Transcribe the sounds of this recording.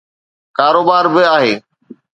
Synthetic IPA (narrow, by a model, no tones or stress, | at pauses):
kaːɾoːbaːɾbɪaːɦeː